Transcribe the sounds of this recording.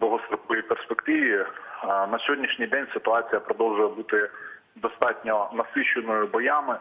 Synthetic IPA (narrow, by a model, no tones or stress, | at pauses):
d̪ˠɦɔst̪ɾɔkɔjijperspekt̪ɪʋʲi | nɐsʲɦʲodʲnʲiʃnʲijd̪ɛnʲsɪt̪ʊɑt͡sʲijɐpɾɔd̪ɔlˠʒʊjɛbut̪ɪ | d̪ɔst̪ɑtʲnʲɔnɐsɪʃːɪnɔjʊbɔjamɪ